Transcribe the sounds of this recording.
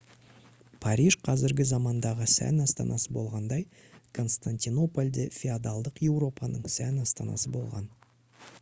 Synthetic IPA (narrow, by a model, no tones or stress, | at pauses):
pʰɑɾʲiʒqʰɑzɪɾɡʲɪzɑmɑnd̪ɑʁəsæ̰nɑst̪ɑ̰nʔɑsəbo̞lˠʁɑnd̪ɑj | kʰo̞nst̪ant̪ino̞polʲd̪efʲiad̪ɑlˠd̪əqje̞wɾo̞pɑnəɴsænɑst̪ɑnɑ̰səbo̞̰lˠʁɑ̰n